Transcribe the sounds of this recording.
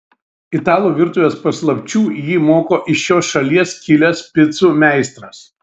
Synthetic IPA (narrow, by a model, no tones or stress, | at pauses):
ɪt̪ɑːlˠuːʋʲɪɾt̪ʊʋʲeːspɐslˠɐpʲt͡ʃʲuːjiːmoːkoːʔɪʃjoːsʃɐlʲiɛskʲɪlʲɛspʲɪt̪suːmʲæˑɪst̪ɾɐs